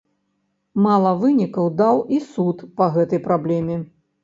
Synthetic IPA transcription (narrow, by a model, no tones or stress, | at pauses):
malˠɐvɨnʲikɐwd̪awʔisut̪pɐɣɛt̪ɐjpɾablʲɛmʲɛ